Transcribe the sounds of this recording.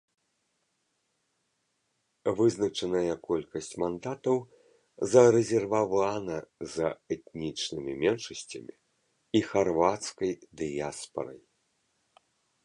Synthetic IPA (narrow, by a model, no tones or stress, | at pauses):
vɨznɐt͡ʂɐnɐjɐkɔlʲkɐsʲt͡sʲmand̪at̪ɐw | zɐɾɛzʲɛrvavanɐzɐɛt̪nʲit͡ʂnɨmʲimʲɛnʂɐsʲt͡sʲɐmʲi | ixarvat̪skɐjd̪ɨjaspɐ̰ɾɐ̰j